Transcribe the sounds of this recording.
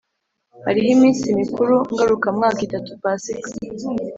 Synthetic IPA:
ha̰ɾiɦimiːnsimikuɾuŋɡaɾukamŋaːkitatupasikḁ

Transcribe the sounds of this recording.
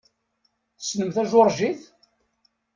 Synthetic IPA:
θsnəmθæʒʊɾˤʒiθ

